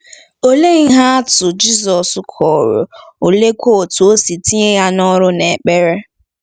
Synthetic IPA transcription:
o˦le˦ɣ̩˦ɦa˦a˦tʊ˨d͡ʒi˦zɔ˨skʰɔ˨ɾʊ̰˨o˨le˦kʷo˦˨tʊ˨o˦si˨ti˦ɲe˦ja˦nɔ˦ɾʊ˦ne˨k͡pe˦ɾe˦

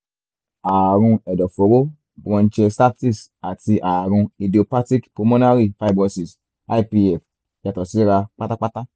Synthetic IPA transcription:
a˨ɾũ˧ɛ˨dɔ˨fo˨˦ɾo˦ | bɾɔ̃˧n̩˦t͡ʃɛ˧sta˦ti˦s | a˨ti˧ʔa˨ɾũ˧i˧di˨o˧pa˦ti˦kpo˨˧mo˦na˦ɾi˦fa˦˨bɔ̃˧si˨s | a˦i˦pi˧ɛ˨f | ja˨tɔ˨si˨˦ɾa˧k͡pa˦ta˦k͡pa˦ta˦

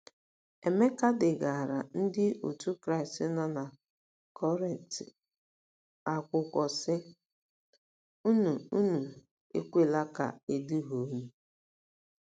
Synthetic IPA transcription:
e˨me˦ka˦dɪ˨ɡa˨a˨ɾa̰˨n̩˦dɪ˦o̰˨tu˦kɾa˦ɪ˨stɪ˦na˦na˨ | kʰɔ˦ɾi˨n˨tɪ̰˨ | a˨kʷʊ˨kʷɔ˨sɪ˦ | u˦nu˨u˦nu˨ | ḛ˦kʷe˦˨la˦ka̰˨e˦du˦ɦo˨˦nu˦

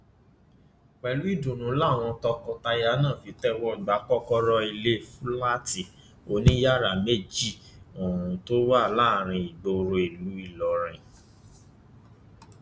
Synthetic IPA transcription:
k͡pɛ˨lu˨˦i˦˨dũ˨nũ˨˦la˦˨w̃ɔ̃˧tɔ˧kɔ˧ta˧ja˧˦nã˦˨fi˨˦tɛ˦wɔ˦˨ɡ͡ba˨˦kɔ˦kɔ˦ɾɔ˧i˧le˦fũ˦la˦ti˨ | o˨˧nĩ˦ja˦˨ɾa˨me˦˨d͡ʒi˦˨ | õ˨ũ˨to˦wa˦˨laː˦˨ɾ̃ĩ˧i˨ɡ͡bo˧ɾo˧e˨lu˨˦i˦˨lɔ˨ɾ̃ɛ̃˨

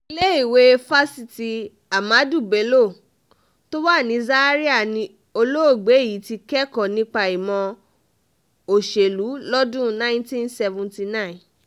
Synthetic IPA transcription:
i˧le˦i˦˨we˨˦fa˦si˦˧ti˨˧ | a˨ma˨˦du˦˨be˨˦lo˦˨ | to˦wa˦˨nĩ˧˦za˦ɾi˦a˦˨nĩ˧˦ | o˧lo˦o˦˨ɡ͡be˨˦˨ji˨˦ti˧kɛ˦kɔ̃˦˨nĩ˦k͡pa˧i˨mɔ̃˧ | o˨ʃe˨lu˨˦lɔ˦dũ˦nã˦ĩ˦ntĩ˦nsɛ˧vũ˨nti˧nã˦˨

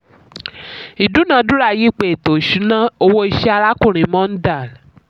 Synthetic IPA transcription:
i˨du˨˦nã˧˦dũ˦ɾa˦˨ji˦k͡pe˨to˨ʃu˨˦nã˦o˧wo˧i˧ʃɛ˦a˧la˦kũ˦˨ɾ̃ĩ˨mɔ̃˦n̩˦da˦˨

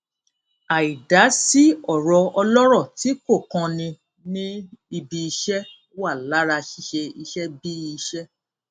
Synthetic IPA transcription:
a˨i˨da˨˦si˦ɔ˦˨ɾɔ˧ɔ˧lɔ˦ɾɔ˦˨ti˨˦ko˦˨kã˧nĩ˧ | nĩ˦i˧bi˧i˧ʃɛ˦ | wa˦˨la˨˦ɾa˧ʃi˦˨ʃe˧i˧ʃɛ˦bi˦˧ʃɛ˦

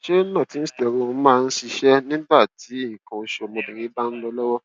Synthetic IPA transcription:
ʃe˦nã˦˨ti˨˦n̩˦si̥˦tɛ˨ɾõ˦˨˧mãː˦˧n̩˦si˧ʃɛ˦nĩ˦ba˦˨ti˨˦i˦˨kã˨o˧ʃo˨mo˧bĩ˨ɾĩ˨˦ba˦n̩˦lɔ˧lɔ˦wɔ˦

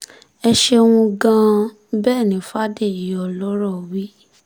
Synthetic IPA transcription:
ɛ˧ʃe˧w̃ũ˧ɡã˧ | bɛː˦˨nĩ˨˦fa˦de˦˨i˨ɔ˨˧lɔ˦ɾɔ˦˨wi˦

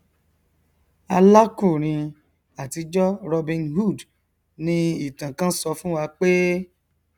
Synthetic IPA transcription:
a˧la˦ku˦˨ɾ̃ĩ˧ | a˨ti˧d͡ʒɔ˦ɾɔ˧bĩ˧nhu˦˨d | nĩ˧i˦˨tã˨kã˦sɔ˧fũ˦wa˧k͡pe˦

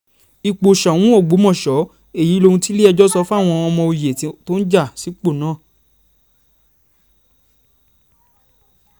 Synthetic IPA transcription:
i˨k͡po˨ʃa˨wũ˨˦o˦˨ɡ͡bo˨˦mɔ̃˦˨ʃɔ˨˦ | e˦˨ji˨˦lo˧ũ˧ti˦le˦ɛ˧d͡ʒɔ˦sɔ˧˦fũ˦a˦˨w̃ɔ̃˧ɔ˧mɔ̃˧o˧je˨˧to˦n̩˦d͡ʒa˦˨si˨˦k͡po˦˨nãː˦˨

